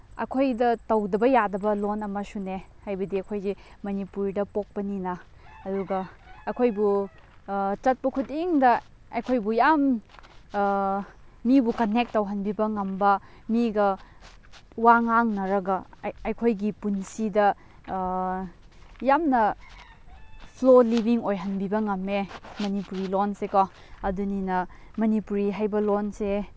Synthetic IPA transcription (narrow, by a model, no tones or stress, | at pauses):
ɐ̰kʰojdɐtɐwdɐbɐjadɐbɐlonɐmɐsunehajbɐdiɐkʰojɡimɐnipuɾdɐpok̚pɐninɐ | ɐduɡɐɐkʰojbu | t͡ʃɐt̚pɐkʰutiŋdɐ | ɐjkʰojbujam | mibukɐnek̚tːɐwɦɐnbibɐŋɐmbɐ | miɡɐ | waŋaŋnɐɾɐɡɐɐjkʰojɡipunsidɐ | jamnɐ | pʰlolibiŋojɦɐnbibɐŋɐmːemɐnipuɾilonsekɔ | ɐduninɐ | mɐnipuɾiɦajbɐlonse